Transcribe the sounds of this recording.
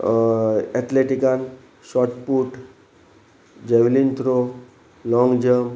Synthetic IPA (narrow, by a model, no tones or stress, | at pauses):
ɛʈ̪leʈikan | sɔʈpuʈ | d͡ʑeʋlint̪ɾo | lɔŋɡd͡ʒəm